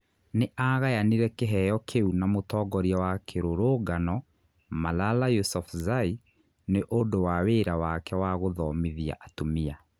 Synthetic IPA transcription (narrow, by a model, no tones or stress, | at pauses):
neʔaɣajaniɾɛkeɦɛjɔkʰeunamotɔːɡɔɾiawakʰeɾoɾoːɡanɔ | malalajosɔfzai | neʔondowaweːɾawakɛwaɣoðɔːmiðia̰ʔatomia